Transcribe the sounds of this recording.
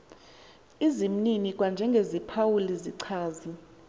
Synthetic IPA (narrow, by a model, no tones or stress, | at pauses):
izim̩ninik̬ʼwand͡ʒʱɛŋɡʱezipʰawuliziǀʰaːzi